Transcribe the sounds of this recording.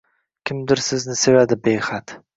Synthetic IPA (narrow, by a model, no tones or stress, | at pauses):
kʲʰɪmd̪ɪɾsɪznɪse̞vad̪ɪbejχat̪